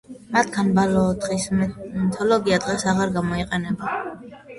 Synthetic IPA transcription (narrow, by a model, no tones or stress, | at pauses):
mat̪ʰkʰanbalɔːd̪χismt̪ʰɔlɔɡiad̪̥ʁɛsaʁaɾɡamɔiqʼɛnɛba